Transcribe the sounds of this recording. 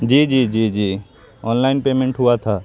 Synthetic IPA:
d͡ʒiːd͡ʒiːd͡ʒiːd͡ʒiː | ɔːnlaɪnpeːmẽɳʈɦʊat̪ʰaː

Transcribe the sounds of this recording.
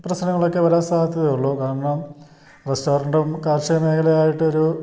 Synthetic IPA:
prɐɕnɐŋːɐɭo̞kːeʋɐɾaːnst̪aːnɐt̪ːɐðejuɭːoːkaːɾɐɳaːm | resʈo̞ːɾɐɳɖɐmkaːrɕɐjɐme̞ːkʰɐlejaːjiʈːɨo̞ɾu

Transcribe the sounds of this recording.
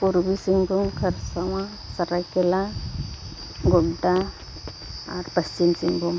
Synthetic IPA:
puɾbisiŋbʱumkʰəɾsaw̃ã | səɾajkɛla | ɡɔld̪a | aɾpəst͡ʃinsiŋbʱum

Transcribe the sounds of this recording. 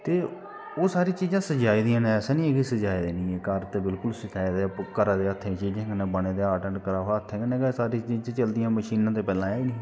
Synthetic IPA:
t̪eː | oːsaːɾiːt͡ʃiːzãːsəd͡ʒaːiːd̪ijãːnẽɛːsɛːnĩːeːkisəd͡ʒaːid̪eːnĩːeːkəɾt̪eːbɪlkʊlsəd͡ʒaːid̪eːkəɾaːd̪eːət̪ʰːẽt͡ʃiːd͡ʒẽːɡənẽːbəɳ̃eːd̪eːaːʈəɳkəɾaːɦət̪ʰːẽːɡəneːɡsaːɾiːt͡ʃiːd͡ʒt͡ʃːt͡ʃəld̪ijãːməʃiːnãːt̪eːpɛːlãːɛiːnĩː

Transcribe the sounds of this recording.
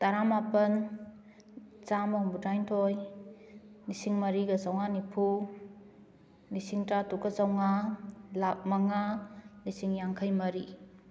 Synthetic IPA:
taɾamapɐn | t͡ʃamɐuŋbudajntʰoj | lisiŋmɐɾiɡɐzawŋanipʰu | lisiŋtatukazawŋalamaŋalisiŋjaŋkʰajmɐɾi

